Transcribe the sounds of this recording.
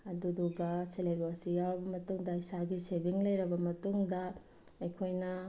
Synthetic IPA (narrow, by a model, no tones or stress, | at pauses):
ɐduduɡɐseleɡosijawɾɐbɐmɐtuŋdɐisaɡisebiŋlɐjɾɐbɐmɐtuŋdɐ | ɐjkʰojnɐ